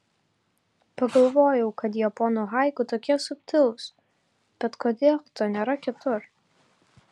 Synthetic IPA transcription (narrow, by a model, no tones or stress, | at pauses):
pɐɡɐlˠʋoːjɛʊkɐt̪̬jɛpɔːnoːɣɑˑɪkʊt̪oːkʲiɛsʊpʲt̪ʲɪlˠs | b̥ʲɛt̪koːd̪ʲeːlˠt̪oːnʲeːɾɐkʲɪt̪ʊɾ